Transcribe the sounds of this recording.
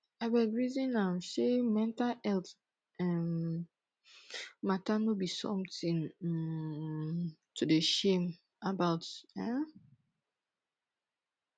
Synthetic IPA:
awɛdɹizĩnãsemɛ̃ntalɛlt | ɛ̃m | matanobisɔ̰̃mtĩŋ | tudeʃem | abaʊtɛ̃

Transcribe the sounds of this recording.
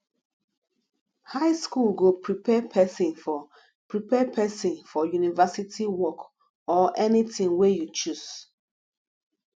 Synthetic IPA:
haɪskulɡopʰɹipʰɛpʰɛsĩnfɔ | pɹipɛpʰɛsĩnfɔjunivɛsitiwɔk | ɔʔɛnitĩŋwejut͡ʃuz̥

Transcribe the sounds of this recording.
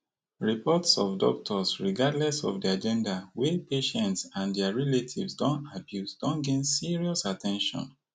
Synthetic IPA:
ɹipɔtsɔfdɔ̰k̚tʰɔsɹiɡadlɛsɔ̰fdiad͡ʒɛ̃ndawɛpeʃɛ̃ntsãndɛaɹɛletʰivsdɔ̃nabjusdɔ̃nɡẽnsiɹiɔsatʰɛ̃nʃɔ̰̃n

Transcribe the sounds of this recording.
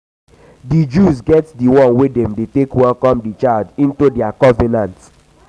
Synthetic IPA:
did͡ʒuzɡɛtdiwɔ̃nwedɛ̃mdetekwɛlkɔ̃mdit͡ʃaɪldĩntudɛakɔvɛnãnt

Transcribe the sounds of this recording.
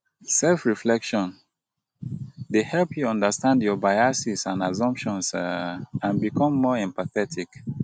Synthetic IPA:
sɛlfɹiflɛkʃɔ̃n | dehɛlpʰjuɔ̃ndəstãndjɔbajasisãnazɔ̃mpʃɔ̃ns | ãnbikʰɔ̃mːɔɛ̃mpaθɛtʰik

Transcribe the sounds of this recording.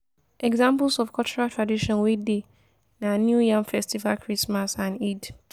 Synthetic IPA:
ɛɡzãmpulsɔfkʰɔlt͡ʃuɹatʰɹadiʃɔ̃nwide | nãnjujãŋfɛstivalkʰɹismasãnid

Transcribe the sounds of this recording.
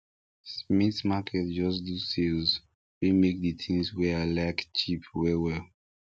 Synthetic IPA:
smitmakʰɛtd͡ʒɔs̬dusilz | wimek̚dətʰĩŋswɛalaɪkt͡ʃʰipʰwɛwɛl

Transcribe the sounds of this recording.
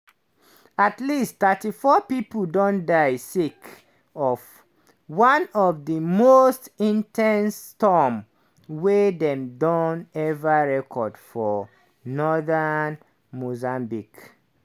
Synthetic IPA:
atlisttatifɔpipdɔ̃ndajsik | ɔv | wãnɔvdimostĩntʰɛ̃nstɔm | wedɛ̃mdɔ̃nɛvaɹɛkʰɔdfɔ | nɔðan | mozãmbik

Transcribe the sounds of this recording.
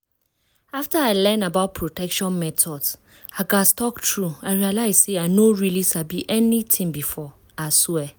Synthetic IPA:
aftəaɪlɛ̃nabaʊt̚pʰɹotʰɛkʃɔ̃nmɛtʰɔdz | aɡastɔktʰɹuaɪɹialaɪz̥seaɪnoɹilisabiʔɛnitʰĩŋbifɔ | aswɛ

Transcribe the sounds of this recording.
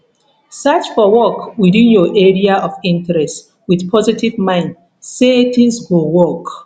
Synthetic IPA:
sat͡ʃfɔwɔkwidĩnjɔʔɛɹiaʔɔvĩntɛɹɛst | wiðpʰɔzitivmãɪ̃nd | setĩŋsɡowɔk

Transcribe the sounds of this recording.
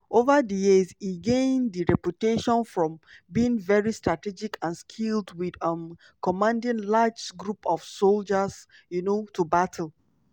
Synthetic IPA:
ʔovədəjiziɡẽndiɹɛputeʃɔ̃nfɹɔ̃mbiĩŋvɛɹistɹatid͡ʒikʰãnskʰildwidʌm | kɔmãndĩnlad͡ʒɡɹupɔv̥sold͡ʒəz | junotubatʰl̩

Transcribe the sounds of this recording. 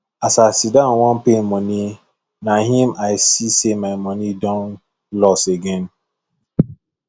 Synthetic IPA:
asasidãŋʷɔn̩penmɔni | naɦimaɪsisemaɪmɔnidɔ̃n | lɔseɡɛn

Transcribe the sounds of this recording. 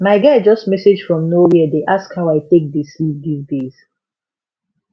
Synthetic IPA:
maɪɡaɪd͡ʒɔstmɛsed͡ʒfɹɔ̃mnowiədeʔaskhaʊaɪtek̚dislip̚ɡivdez̥

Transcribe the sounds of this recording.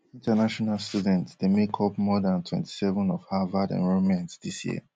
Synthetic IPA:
ĩntanaʃɔnalstudɛ̃ntsdemekʰɔpmɔdãntʰwɛ̰̃nti̥sɛvə̃nɔfhavadɛ̰̃nvoɹɔ̃mɛ̃ntdisjḭə̰

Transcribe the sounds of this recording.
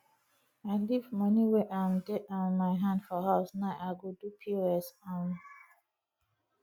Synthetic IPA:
aɪlivmɔniwɛʔãɪmdɛtãmaɪɦãndfɔɦaʊsnaɪʔaɡodupʰioɛsãn

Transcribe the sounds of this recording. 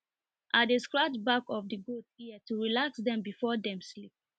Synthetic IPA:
ʔat̚dəskɹat͡ʃbakɔfdəɡotiətuɹilaksdɛ̃mbifɔdɛ̃mslip̚

